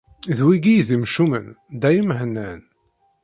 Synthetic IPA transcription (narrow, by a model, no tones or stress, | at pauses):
ðwiɡijðimʃumə̰n | d̪æjəmɦənːən